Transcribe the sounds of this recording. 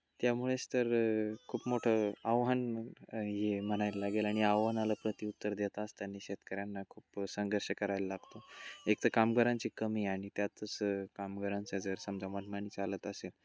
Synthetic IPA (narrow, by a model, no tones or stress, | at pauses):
t̪jamuɭest̪əɾkʰuːpmoʈʰəaʋɦən | jeməñajləlaɡelaɽ̃iaʋɦənaləpɾət̪iut̪ːəɾd̪et̪aːst̪janːeɕet̪kəɾjanːakʰuːpsəŋɡəɾɕəkəɾajləlaɡt̪oek̚t̪ʰəkamɡəɾaɲt͡ɕiːkəmiːaɽ̃it̪jat̪əskamɡəɾant͡sad͡zəɾsəmd͡zamanmaniːt͡salət̪əsel